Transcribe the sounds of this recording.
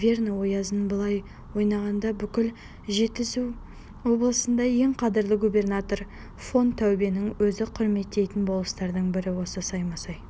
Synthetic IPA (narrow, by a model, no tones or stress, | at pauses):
vʲe̞rnwo̞jɑzənbəlˠɑj | wo̞jnɑʁɑnd̪ɑbʏkʲɪl | ʒe̞t̪̚ːɪzuw | wo̞blˠəsənd̪ɑje̞ŋqʰɑd̪əɾlˠəɡubʲe̞rnat̪o̞ɾ | fo̞nt̪ʰːæwbe̞nɪŋwɵzɪqʰʊɾme̞t̪ːe̞jt̪ɪnbo̞lˠəst̪ɑɾd̪əɴbɪɾɪwo̞səsɑjmɑsɑj